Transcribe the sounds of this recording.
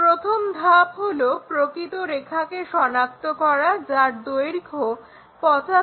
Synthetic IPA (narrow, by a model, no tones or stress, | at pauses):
pɾot̪ʰomd̪ʱapɦolopɾokɾit̪oɾekʰakeʃɔnak̚t̪okɔɾad͡ʑaɾd̪ojɾikʰo | pɔt͡ɕa